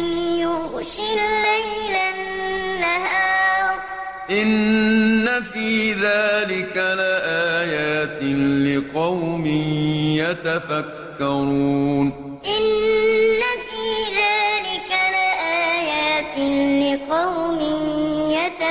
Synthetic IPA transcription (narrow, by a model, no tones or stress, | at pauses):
njʊɣʃɪlːajlanːahaː | ʔɪnː | afiːðaːlɪkalaːʔaːjaːt̪ɪlɪqɑwmɪjat̪afakːɑɾuːn | ʔɪnː | afiːðaːlɪkalaːʔaːjaːt̪ɪlɪqɑwmɪjat̪a